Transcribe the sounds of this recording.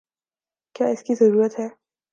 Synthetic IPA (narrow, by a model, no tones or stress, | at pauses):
kja̰ːɪskizɐɾuːɾət̪ɦɛː